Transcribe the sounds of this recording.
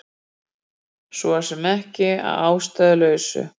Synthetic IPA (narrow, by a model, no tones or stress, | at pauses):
sɔsɛmɛhcɪa̰ðaːwst̪ajðʏlœːɥsʏ̰